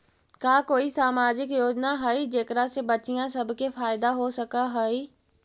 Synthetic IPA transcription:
kjaːkoːisaːmaːd͡ʒɪkjoːd͡ʒnaɦɐid͡ʒeːkɾasebɐt͡ʃijãsɐbʱkefʰaːɪd̪aɦosɐkaɦoi

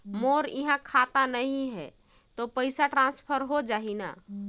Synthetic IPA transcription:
moɾiɦãkʰat̪anəɦĩɦɛ | t̪opəɪsaʈɾãnspʰəɾɦod͡ʒaɦina̰

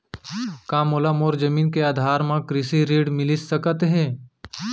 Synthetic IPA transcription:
kãːmolamoːɾd͡ʒəmiːnkeaːd̪ʱaːɾmãkɾɪsiɾiːɖmɪlisːɐkət̪ɦɛ̃ː

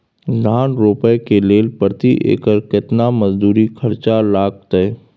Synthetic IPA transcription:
dʱaːnɾoːpəekeleːlpəɾt̪iʔḛːkəɾkɪt̪naməzd̪uːɾikʰəɾt͡ʃalaːɡ̚t̪ɛː

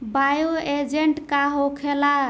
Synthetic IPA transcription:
bajoed͡ʒeɳʈkaɦokʰela

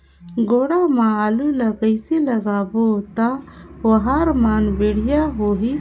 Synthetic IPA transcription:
ɡoːɽamãaluləɡəɪsiləɡabot̪aəɦaɾmanbeɽ̤ijaɦoɦi

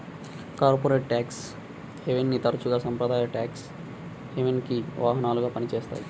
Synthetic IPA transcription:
kaːɾpoːɾeːʈʈaːks | heʋenːit̪ɐɾɐt͡ʃuɡaːsɐmpɾɐd̪aːjɐʈaːks | heʋenkiʋʔaːɦɐnaːluɡaːpɐnit͡ʃeːst̪a̰ːji

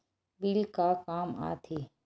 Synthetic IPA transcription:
bilkakaːma̰ːt̪ʰeː

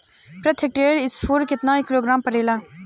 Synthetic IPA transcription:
pɾɛt̪ʰɪk̚ʈeːɾɪsfʰoːɾkɪt̪nãːɪkːɪloːɡɾãːmpəɾeːlaː

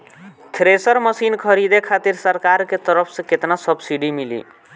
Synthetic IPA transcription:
t̪ʰɾesəɾmʌsinkʰʌɾid̪ekʰat̪iɾsəɾkaɾket̪əɾəpʰsẽket̪nasʌbsiɖimilḭ

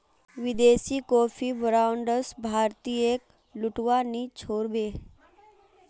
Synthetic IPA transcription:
ʋɪd̪eːsiːkoːfʰiːbɾawɳɖəsbʱaɾt̪iːek | luʈʋaniːt͡ʃʰoːɾbeː

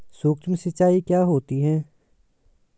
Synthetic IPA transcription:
suːkt͡ʃmsɪt͡ʃaːikjaːɦoːt̪iɦɛː

